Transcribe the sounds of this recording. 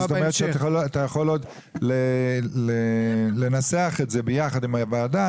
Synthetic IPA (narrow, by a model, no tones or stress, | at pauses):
zet̪omett͡ʃʃeaaolat̪ajaχo̞lod̪ | lelele̞naseaχetze̞bejaχad̪imabajad̪a